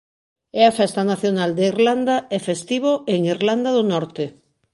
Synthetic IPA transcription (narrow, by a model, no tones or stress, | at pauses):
ɛafɛst̪anaθjonald̪eiɾland̪aefest̪iβ̞oeŋiɾland̪aðonɔɾt̪e